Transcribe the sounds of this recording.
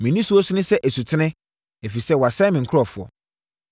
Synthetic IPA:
mɪ̃˨nĩ˦su˦ɔ˦sʊ˦nɪ̃˦sɛ˦ʔæ˨su˨tʰɪ˦nɪ̃˦ | e˨fi˨sɛ˦wɔ˨a˨sɛ̃˦mɪ̃˨ŋ̩˨kʰɔ˨fʊ˨ɔ̰˨

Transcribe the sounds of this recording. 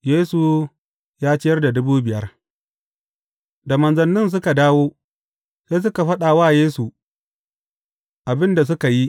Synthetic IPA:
jeː˦su˨ | jaː˦t͡ʃɪ˦jɐ˦rda˨dʊ˦buː˦bɪ˨jɐ˦r | da˨mɐ˨nzɐ˨nːɪ˦ns̬ʊ˦ka˨daː˦woː˦ | seː˦s̬ʊ˦ka˨ɸɐ˦ɗa˨waː˦jeː˦su˨ | ʔa˨bɪ˦nda˨s̬ʊ˦ka˨ji˦

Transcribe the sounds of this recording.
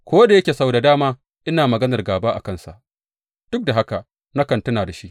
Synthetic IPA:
kʷo˦da˨jɐ˦kʲeː˨sa˦wda˨daː˦maː˦ | ʔɪ˦naː˨mɐ˨ɡɐ˦nɐ˨rɡaː˨baː˦ʔa̰˨kɐ˦nsa˨ʔ | d̥ʊ˦k̚da˨ɦa˦ka˨ʔ | na˦kɐ˨ntʊ˦naː˨da˨ʃi˦ʔ

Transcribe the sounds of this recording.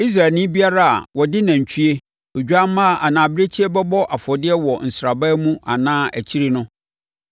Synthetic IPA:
i˦s̬ɾa˨lnɪ̃˦bi˦a˦ɾa˦a̰˨wɔ˨dɪ˦nã˨ɲ̩˨t͡ɕʰu˦e˦ | o˨d͡ʑᶣa˦m˦mã˦˨ʔa˨nã˨bɪ˦ɾe˦t͡ɕʰi˦ɛ˦bɛ˦bɔ˦ʔa˨fɔ˨dɪ˦ɛ˦wɔ˨n̩˨sɾa˨ba˦mũ˦ʔa˨nãː˦ʔæ˨t͡ɕʰi˦ɾi˦nʊ̃˦

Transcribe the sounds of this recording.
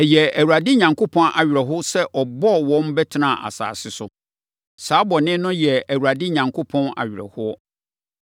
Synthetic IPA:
ɛ˨jɛ˨æ˨wu˨ɾa˨dɪ˦ɲã˨ŋkʰo˦pʰɔ̃˦nʔa˨ɥɪ˨ɾɛ˨ɦʊ˦sɛ˦ʔɔ˨bɔ˦˨wɔ̃˦m˦bɛ˦tʰɪ˨nã˦˨ʔa̰˨sa̰ː˨sɪ˦sʊ˦ | saː˨˦bɔ˨nɪ̃˦nʊ̃˦jɛ˨æ˨wu˨ɾa˨dɪ˦ɲã˨ŋkʰo˦pʰɔ̃˦na̰˨ɥɪ˨ɾɛ̰˨hʊ˦ɔ˦

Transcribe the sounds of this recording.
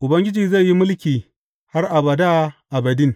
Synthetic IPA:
ʔʊ˨bɐ˦ŋɡʲɪ˦d͡ʒiː˨za˦˨jji˦mʊ˦lkʲiː˨ | ha˦rʔa˨bɐ˨da˦ʔa˨bɐ˨dɪ˦ŋ

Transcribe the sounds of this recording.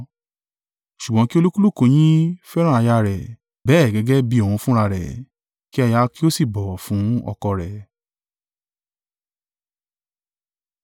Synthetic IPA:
ʃu˨ɡ͡bɔ̃˨˦ki˦o˧lo˦ku˦lu˦˨ko˧˨j̃ĩ˦fɛ˦ɾ̃ã˦˨a˧ja˧ɾɛ˨ | bɛː˨˦˨ɡɛ˧ɡɛ˦bi˧˦ɔ˨wũ˧fũ˦ɾa˧˨ɾɛ̰˨ | ki˦ɛ˧ja˧ki˦o˦si˦˨bɔ˨fũ˨˦ɔ̰˧kɔ˧ɾɛ˨

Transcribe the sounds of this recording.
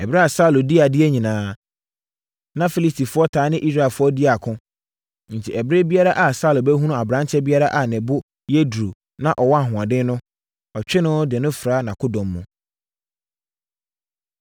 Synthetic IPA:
ɛ˨bɾɛ˦a˨sa˦˨lo˨dɪ˦a˨dɪ˦ɛ˦ɲĩ˨nãː˨˦ | nã˦fi˦li˦stʰi˨fʊ˦ɔ˦tʰaː˨˦nɪ̃˦ʔi˦s̬ɾa˦˨ɛ˨lfʊ˦ɔ˦dɪ˦a˨kʰʊ̃˦ | n̩˨tʰi˨ʔɛ˨bɾe˦bi˦a˦ɾa˦ʔa˨sa˦˨lʊ˨bɛ˦ɦũ˦ũ˦a˨bɾã˦nt͡ɕʰɛ˦bi˦a˦ɾa˦ʔa˨nɪ̃˨bʊ˦ | je˦dɾu˨ | nã˦ʔɔ˨wɔ˦a˨ɦʊ̃˨ã˨dɪ̃˦n˦nʊ̃˦ | ɔ˨t͡ɕᶣɪ˦nʊ̃˦dɪ˨nʊ̃˦fɾaː˨˦nã˨kʰʊ˦dɔ̃˨mː˦ʊ̃˨

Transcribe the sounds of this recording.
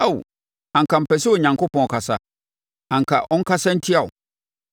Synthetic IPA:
a˦w | ã˨ŋ̩kʰa˨m̩˨pɛ˨sɛ˦o˨ɲã˨ŋko˦pʰɔ̃˨ɔ˨kʰa˨sa˦ | ã˨ŋ̩˨kʰa˨ʔɔ̃˦ŋ̩˦kʰa˦sã˦n̩˦tʰɪ˦a˨ʊ̰˨

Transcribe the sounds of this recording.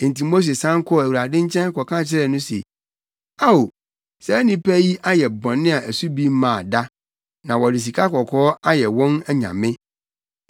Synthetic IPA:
ɪ̃˨n̩˨ti˨mo˦s̬e˨sã˦kʰɔ˦˨æ˨wu˨ɾa˨dɪ̃˦ɲ̩˦t͡ɕʰɛ̃˦n˦kɔ˨kʰã˦˨t͡ɕʰɪ˦ɾɛ˦˨nʊ̃˦sḛ˨ | a˦wo˨ | sɛ˦nɪ̃˨pʰæ˦ji˦ʔa˦jɛ˨bɔ̃˨nːɪ̃˦a˨ʔæ˨su˦bi˦mãː˨da˦ | nã˨wɔ˨dɪ˨s̬i˨kʰa˦kɔ˨kʰɔː˦a˦jɛ˨wɔ̃˦nɛ˦ɲã̰˨mɪ̃˦

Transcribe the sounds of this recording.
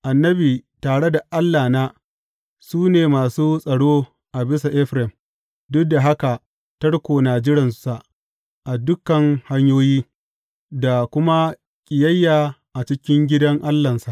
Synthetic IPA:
ʔa˨nːɐ˦biː˨taː˨ɽe˦da˨ʔa˦lːaː˨naː˦ | suː˦neː˨maː˨suː˦sʼɐ˨ɽoː˦ | ʔa˨bɪ˦sa˨ʔɛ˦ɸɾɛ˨m | dʊ˦da˨ɦa˦ka˨ | tɐ˦ɽkʷoː˨naː˨d͡ʒɪ˦ɾɪ˨nsa˨ʔ | ʔa˨dʊ˦kɐ˨ŋha˦ɲjoː˦jiː˦ | da˨kʷʊ˦ma˦ | kʲʼɪ˨jɐ˦jːaː˨ʔa˨t͡ʃɪ˦kʲɪ˦ŋɡʲɪ˦dɐ˦ŋʔa˦lːɐ˨nsa˨ʔ

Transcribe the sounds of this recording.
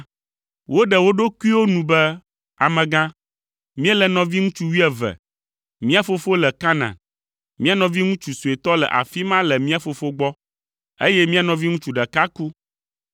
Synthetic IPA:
wʔo˦ɖɛ˨wo˦ɖo˦ku˦i˦wo˦nũ˨bɛ˦ | a˨mɛ̃˨ɡã˦ | mĩ˦ɛ˦lɛ˨nɔ̃˨vi˦ŋũ˦t͡ʃu˦wi˦ɛ˨vɛ̰˨ | mĩ˦a˦fo˦fo˦lɛ˨ka˦nã̰˨ | mĩ˦a˦nɔ̃˨vi˦ŋũ˦t͡ʃu˨su˨e˨t̪ɔ˦lɛ̰˨ʔa̰˨fi˦mã˦lɛ˨mĩ˦a˦fo˨fo˦ɡ͡bɔ˦ | e˦jɛ˦mĩ˦a˨nɔ̃˨vi˦ŋũ˦t͡ʃu˦ɖɛ˨ka˦ku˦

